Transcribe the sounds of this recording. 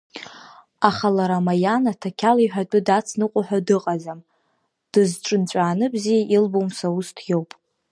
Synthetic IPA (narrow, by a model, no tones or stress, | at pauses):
aχalaɾamajanatʰakʲʰaliħʷᶣat͡pʼʊdat͡sʰnɨqʷʼʊħʷᶣadɨqʼazam | d̥ɨzʈ͡ʂʼɨnt͡ɕʷʼaːnɨbzijaʔilbowmsaustʰjowpʼ